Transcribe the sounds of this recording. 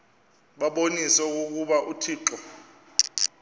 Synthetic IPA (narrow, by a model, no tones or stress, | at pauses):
ɓaɓonisɔuk̬uk̬uɓaʔutʰiːǁɔ